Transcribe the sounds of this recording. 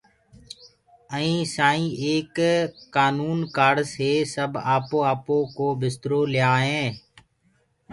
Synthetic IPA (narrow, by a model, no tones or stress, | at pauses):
əĩːsaːĩːʔeːkːaːnuːnkaːɽseːsəbaːpõːaːpõːkoːbɪst̪ɾoːlɪjaːɦẽː